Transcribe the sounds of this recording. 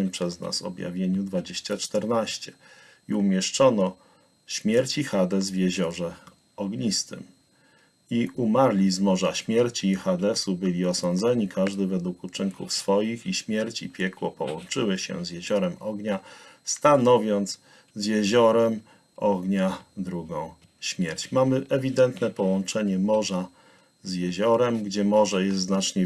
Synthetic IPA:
ɘmpʂɛzna̰sɔ̰bʲja̰vʲjeɲud̪vad͡ʑeɕt͡ɕat͡ʂt̪ɛɾnaɕt͡ɕɛ | iumʲjɛʂt͡ʂɔnɔ | ɕmʲjɛɾt͡ɕixad̪ɛzvjeʑɔʐɛ | ɔɡɲist̪ɘ̰m | iʔumaɾlʲizmɔʐaɕmʲjɛɾt͡ɕiːxad̪ɛsubɘlʲiɔsɔnd̪zɛɲikʰaʐd̪ɘvɛd̪wukut͡ʂɘŋkʰṵfsfɔjixiɕmʲjɛɾt͡ɕḭpʲjɛkwɔpɔ̰wɔnt͡ʂɘwɘɕɛ̰zjeʑɔɾɛmɔɡɲast̪anɔvʲjɔnt̪s | zjeʑɔɾɛm | ʔɔɡɲad̪ɾuɡɔ̃w̃ | ɕmʲjɛɾt͡ɕmamɘʔɛvʲid̪ɛnt̪nɛpɔwɔnt͡ʂɛɲɛmɔʐa | zjeʑɔɾɛmɡd͡ʑɛmɔʐɛjɛst̪znat͡ʂɲɛ

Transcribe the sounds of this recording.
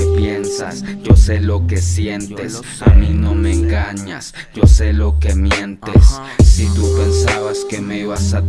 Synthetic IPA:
epjensa̰sd͡ʒo̞se̞lo̞kesje̞nt̪e̞s | amino̞meːŋɡaɲas | ɟ͡ʝo̞se̞lo̞ke̞mje̞nt̪esː | it̪upe̞nsaβaske̞me̞iβasa

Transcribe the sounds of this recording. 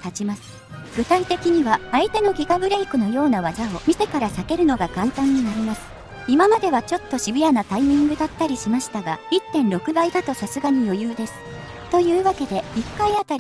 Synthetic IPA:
t̪at͡ɕimasɨ̥ | ɡ̥ɯ̟t̪ait̪e̞kʲiɲ̟iβaait̪e̞no̞ɡʲiɡabɯ̟ɾe̞ikɯ̟no̞jo̞ːnaβazaomʲise̞kaɾasake̞ɾɯ̟no̞ɡakãnt̪ãɲ̟ːinaɾʲimasɨ̥ | imamad̪e̞βat͡ɕo̞t̪ːo̞ɕibʲijanat̪aimʲĩŋɡɯ̟d̪at̪ːaɾʲiɕimaɕi̥t̪aɡait̪ːẽ̞ñɾo̞kɯ̟baid̪at̪o̞sasɨɡaɲ̟ijo̞jɯ̟ːd̪e̞sɨ̥ | t̪o̞jɯ̟ːβake̞d̪e̞ikːaiat̪aɾʲi

